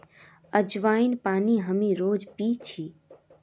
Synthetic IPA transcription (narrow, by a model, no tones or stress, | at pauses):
əd͡ʒʋaːinpaːniɦəmiɾoːd͡ʒpit͡ʃʰi